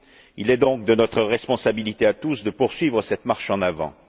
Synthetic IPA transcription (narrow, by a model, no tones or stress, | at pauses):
ilɛd̪ɔ̃k̚d̪ənɔt̪χəʁɛspɔ̃sabilit̪eat̪usd̪əpuʁsɥivʁəsɛt̪maʁʃɑ̃navɑ̰̃